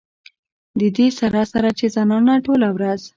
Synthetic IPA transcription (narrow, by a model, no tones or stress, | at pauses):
d̪əd̪esaɾasaɾat͡ʃezanɑnaʈolawɾaz